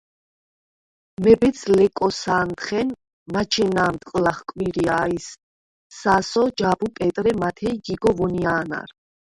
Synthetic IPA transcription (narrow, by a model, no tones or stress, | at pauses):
mɛbɛt̪sʰlɛkʼɔsaːnt̪χɛn | mat͡ʃʰɛnaːmt̪ʼqʼlaχkʼmiɾiaːisː | asɔd͡ʒabupʼɛt̪ʼɾɛmat̪ʰɛjɡiɡɔvɔniaːna̰ɾ